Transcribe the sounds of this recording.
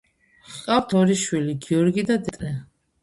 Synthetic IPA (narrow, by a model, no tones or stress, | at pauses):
qʼavt̪ʰɔɾiʃwiliɡiɔɾɡid̪ad̪ɛt̪ʼɾɛ